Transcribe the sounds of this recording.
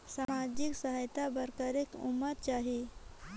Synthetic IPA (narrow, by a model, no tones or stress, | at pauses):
samad͡ʒiksəɦajt̪abəɾkaɾekṵmːət̪̚t͡ʃaɦi